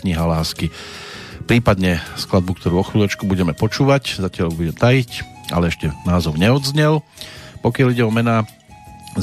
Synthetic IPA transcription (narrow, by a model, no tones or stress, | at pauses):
kɲiɦalaːski | pɾiːpad̪ɲɛsklad̪̚buk̚t̪ʰɔɾuːɔxʋilɛt͡ʃkubuɟɛmɛpɔt͡ʃuːʋaczacɪaʎbuɟɛmt̪ajic | a̰lɛɛʃcɛnaːzɔʊɲɛɔd̪zɲɛlpɔkɪaliɟɛɔmɛnaː